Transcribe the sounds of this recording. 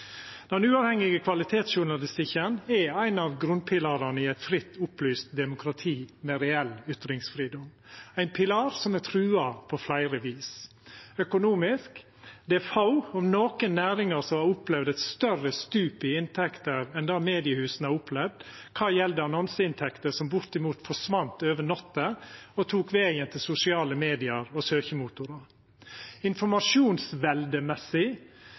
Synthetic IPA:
d̪̥ɛnʉːɑʋhɛŋɪɡəkʰʋɑlɪt̪ʰeːt̪sʃʊɳɑlɪst̪ɪkənɛæɪnɑʋɡɾʉn̚pʰɪlɑːɾɑnəɪæɪt̪fɾɪt̪ːʊplyːst̪̚d̪ɛmʊkʰɾɑt̪ʰiːmɛɾɛɛlʏt̪ɾɪŋsfɾiːd̪ɔm | æɪnpʰɪlɑːɾsɔmɛt̪ʰɾʉːɑpʰɔflæɪɾəʋiːs | œkʊnuːmɪsk | d̪ɛæfɑʊɔmnoːkənːæːɾɪŋəɾsɔɑʊplɛʋd̪ɛt̪st̪œrəst̪ʉːpɪɪnt̪ʰɛkt̪əɾɛnd̪ɑːmeːd̪ɪəhʉːsnɑʊpʰlɛʋd̪ | kʰɑːjɛld̪əɑnɔnsəɪnt̪ʰɛkt̪əsɔmbʊɾt̪ɪmuːt̪fɔʂʋɑnt̪øːʋənɔt̪ːəɔt̪ʰuːkʋeːənt̪ʰɪlsʊsɪɑːləmeːd̪ɪɑɾɔsøːçəmuːt̪ʊɾɑɾ | ɪnfɔɾmɑʂuːnsʋɛld̪əmɛsːɪ

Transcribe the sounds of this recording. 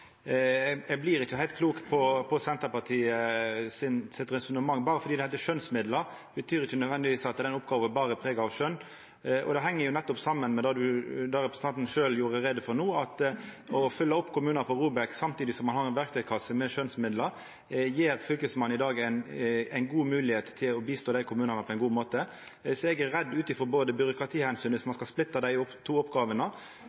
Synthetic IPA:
ɛblɪɾɪçːəhæɪlt̪kʰluːkpʰɔpʰɔsɛnt̪əɾpɑt̪ʰiːəsɪnsɪt̪ɾɛsʊnəmɑŋːbɑːɾəfɔd̪iːd̪ɛhɪt̪əʂœnsmɪd̪ləɾbət̪ʰyːɾɪçːənœd̪ʋɛnd̪ɪʋiːsɑt̪d̪ɛnʊpɡɑːʋɛbɑːɾəpʰɾeːɡɑɑʋʂœnː | ɔ̰d̪ɛɦɛŋːəɾjʊnɛt̪ːɔpsɑmːənmɛd̪ɑd̪ʉd̪ɑɾɛpɾsn̩ɑnt̪n̩ʃøːljuːɾəɾɛd̪əfɔɾnuːɑt̪ | ɔfʏlːəɔpːkʰʊmʉːnɑəpʰɔɾuːbæksɑmt̪ʰiːd̪ɪsɔmːɑnhɑɾɛnʋæɾk̚t̪œɡkʰɑsəmɛʃœnsmɪd̪ləɾ | jeːɾfʏlkəsmɑnɪd̪ɑːɡæɪnæɪnɡuːmʉːlɪheːt̪t̪ʰːɪlɔbiːst̪oːd̪æɪkʰʊmʉːnɑnəpʰɔɛɪnɡuːmoːt̪ə | sɔɛɡæɾɾɛd̪ːʉːt̪ɪfʁɔɾboːd̪əbʏɾʊkɾɑt̪ʰiːhɛnsyːnɪsmɑnskɑlsplɪt̪ːɑd̪æɪɔpːt̪ʰuːɔpɡɑːʋənə

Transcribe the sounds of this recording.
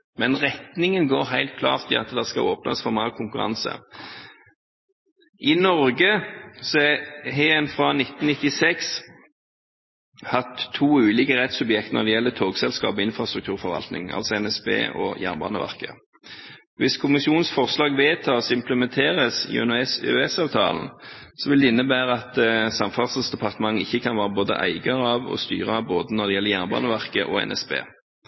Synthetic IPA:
mɛnʁɛt̪nɪŋənɡoːɾɦæɪlt̪̚kʰlɑ̰ːʁt̪ʰɪɑ̰t̪d̪ɛskɑ̰ʔoːpnə̰sfɔɾmɑəkʰʊŋkʉʁɑ̰nsə̰ | ʔɪnɔɾɡəsɔɦeːənfʁɑnɪt̪nnɪt̪ːɪsɛks | hɑt̪ʰːuːʉːliːkəʁɛt̪sʉbjɛk̚t̪nɔ̰d̪ɛjɛlːət̪ʰoːɡsɛlskɑ̰ːpɔɪnfʁɑst̪ɾʁʉkt̪ʰʉːʁfɔʁʋɑ̰lt̪nɪ̰ŋɑ̰lsɔɛnɛsbḛːɔ̰jæ̰ːnbɑ̰ːnə̰ʋæ̰ʁkə̰ | ʋɪskʰʊmɪsɪuːnn̩sfɔʁslɑːɡʋeːt̪ʰɑːsɪmpləmɛnt̪ʰeːʁəsɪ̰œ̰nʉɛsø̰ɛsɑːʋt̪ʰɑ̰ːln̩sɔʋɪld̪ɛɪnːəbæːɾəɑt̪sɑmfɑsəsd̪ɛpɑʁt̪əmɑŋːɪçːəkʰɑnʋæːʁəboːd̪ə̰ʔæ̰ɪɡɑʁəɑʋɔ̰st̪y̰ːʁəboːd̪ənɔd̪ɛjɛlːəjæːnbɑ̰ːnəʋæʁkəʔɔ̰ɛ̰nɛ̰sbḛː

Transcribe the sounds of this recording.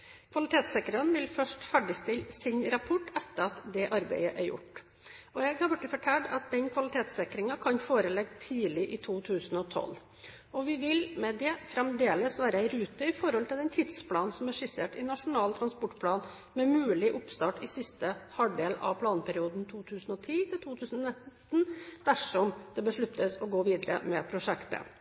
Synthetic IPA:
kʰʋɑlɪt̪ʰeːt̪sɛkəɾənʋɪlfœʂʈfæɖɪst̪ɪlsɪnɾɑpʰɔʈːɛt̪ːəɾɑt̪d̪ɛʔɑɾbæ̰ɪəʔæɾjʊ̰ʈ | ʔɔjɛɡhɑɾbʉʈːəfɔʈʰæːɖɑt̪̚d̪ɛnkʰʋɑlɪt̪ʰeːt̪sɛkɾɪŋɑkʰɑnfoːɾəlɛɡt̪ʰiːlɪʔɪt̪ʰuːt̪ʰʉːsn̩ɔt̪ʰɔ̰lː | ɔʋɪʋɪlmɛd̪ɛfɾɛmd̪eːləsʋæːɾəæɪɾʉːt̪əɪfɔɾhɔlt̪ʰɪlɛnt̪ʰɪd̪spʰlɑːnsɔmæʂɪsḛːʈɪnɑʂʊnɑːlt̪ʰɾɑnspɔʈːpʰlɑːn | mɛmʉːlɪʔʊpst̪ɑːʈɪsɪst̪əhɑɖeːlɑ̰ʋpʰlɑːnpʰæɾɪuːd̪nt̪ʰuːt̪ʰʉːsən̩ɔt̪ʰiːt̪ʰɪlt̪ʰuːt̪ʰʉːsn̩ɔnɪt̪ | n̩d̪̥æʂɔmd̪ɛbəʂɭʉt̪ʰːəsɔɡoːʋiːd̪əɾə̰mɛpʰɾʊʂɛkt̪ə̰

